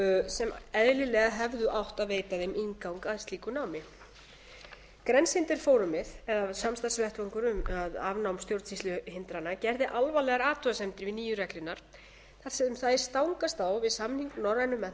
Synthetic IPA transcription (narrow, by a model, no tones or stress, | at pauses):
sɛmɛðlɪlɛːɣaɦɛvðʏʔawht̪aðveːjt̪aðɪmiŋkawŋkaðɪst̪liːkʏnaːwmɪ | kɾɛnshɪnt̪ɪɾ̥foːwɾʏmɪðɛðasamst̪asvɛht̪vaŋkʏɾʏmaðavnawmst̪jowɾt̪sist̪ʏhɪnt̪ɾanːacɛɾðɪʔalvalɛɣaɾaːt̪ʏasɛmt̪ɪɾvɪniːjʏɾɛklʏnaɾ̥ | θaɾ̥sɛʏmθaðɪ̥st̪awŋkast̪awvɪðsamniŋknɔrajnʏmːɛ